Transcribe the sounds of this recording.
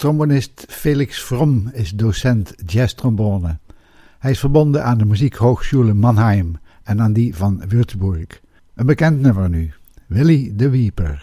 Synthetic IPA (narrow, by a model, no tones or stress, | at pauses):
trombonɪstfeːlɪksfrɔmɪsdosɛntd͡ʒɛstrɔmbɔɹnə | hɛjɪsfəɹbɔndənaːndəmyzikɦowxstuləmɑnɦɛjm | ɛnaːndivɑnʋʏɹtbɔɹk | ʔənbəkɛntnɵməɹny | ʋɪlidəʋiːpə̰ɹ